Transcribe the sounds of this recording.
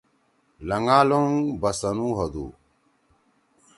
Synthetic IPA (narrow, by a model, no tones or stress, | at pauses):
lɐŋaːloŋbɐsɐnuːɦɐd̪ṵː